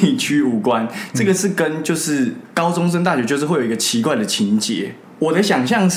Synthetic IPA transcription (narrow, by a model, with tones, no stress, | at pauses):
i˨˩t͡ɕʰy˥u˨˩kwa˦nʈ͡ʂɤ˥˩ɡə˨˩ʂɻ̩˥˩kə˦nt͡ɕjo˥˧ʊʂɻ̩˥˩kɑ˥ʊʈ͡ʂʊ˥ŋʂ̬ə˥˦ŋt̪a˥˩ɕɥt͡ɕjo˥˧ʂ̩˥˧wjo˨˩˨ɡə˧t͡ɕʰi˧˥kwa˥˩ɪd̪ə˩t͡ɕʰi˧˦nt͡ɕjɛ̰˨˦ | wɔ˨˩d̪ə˦ɕjɑ˨˩ŋɕ̬jɑ˥˧ŋʂ